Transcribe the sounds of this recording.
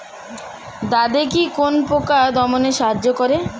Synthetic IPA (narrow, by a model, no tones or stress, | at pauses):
d̪ad̪ekikonpokad̪ɔmoneʃaɦad͡ʑːokɔɾe